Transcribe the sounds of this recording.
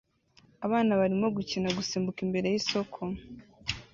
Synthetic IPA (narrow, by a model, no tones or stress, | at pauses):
aβaːnaβaɾimo̞ɡucinaɡusiːmbukimbe̞ɾe̞jiso̞kʰo̞